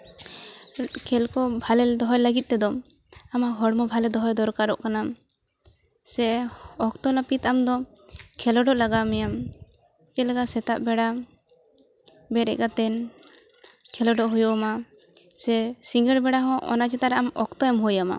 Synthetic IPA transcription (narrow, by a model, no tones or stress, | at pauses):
kʰɛlkɔbʱalɛd̪ɔɦɔjləɡit̪̚ˀt̪ɛd̪ɔm | amaɦɔɽmɔbʱalɛd̪ɔɦɔjd̪ɔɾkaɾɔʔkana | sɛɔkt̪ɔlapit̪amd̪ɔkʰɛlɔɖɔʔlaɡamɛjam | d͡ʒɛlaɡasɛt̪aʔbɛɽa | bɛɾɛ̰ʔɡat̪ɛn | kʰɛlɔɖɔʔɦujɔma | sɛsiŋɡɛɽbɛɽaɦɔ̃ʔɔ̰nat͡ʃɛt̪aʔɾɛamɔkt̪ɔɛmɦujama̰